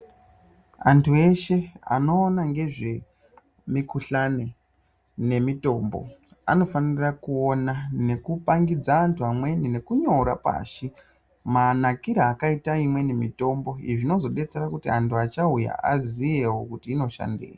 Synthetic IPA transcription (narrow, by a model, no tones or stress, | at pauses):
a̰ntʰue̞ʃe̞a̰no̞ːnaŋɡe̞ʐe̞ | mikuɬane̞ | ne̞mito̞ːmbo̞̰ | a̰no̞faniirakuonane̞kupaŋɡid͡zaːntʰuamwe̞nine̞kuɲo̞ɾa̰pa̰ːʃi | manakiɾaːkaitaimwe̞nemito̞mbo̞iʐino̞zo̞ɗe̞t͡se̞ɾakutiantʰuat͡ʃauja̰azijewokutiːno̞ʃa̰ndḛːja